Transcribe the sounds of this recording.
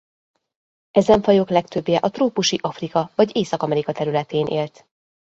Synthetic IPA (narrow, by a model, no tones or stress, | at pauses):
ɛzɛɱfɒjo̞klɛkt̪øbjɛʔɒt̪roːpuʃiʔɒfrikɒvɒɟeːsɒkɒmɛɾikɒt̪ɛɾylɛt̪eːnʔḛːlt̪